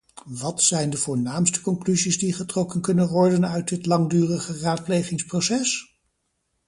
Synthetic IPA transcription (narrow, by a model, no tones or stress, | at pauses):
ʋɑtsɛjndəvʊːɹnaːmstə̥kɔŋklyzizdiχətrɔkənkɵnənʋɔɹdənœɥt̚dɪtlɑŋdyːrəχəraːt̚plejχɪŋsprowsɛs